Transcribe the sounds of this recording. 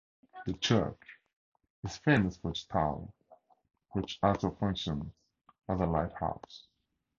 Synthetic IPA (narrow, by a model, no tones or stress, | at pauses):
ðɨt͡ʃʰɜ̰˞t͡ʃ | ɨz̥fẽɪ̃məsfəɨstʰãʊ̃n | wɨt͡ʃasəfʌ̃ŋʃə̃nz̥ | əzəlaɪt̚ha̰ʊs